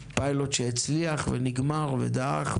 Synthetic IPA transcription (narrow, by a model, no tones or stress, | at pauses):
pajlotʃeit͡sliaχveniɡmaʁvḛd̪aaχ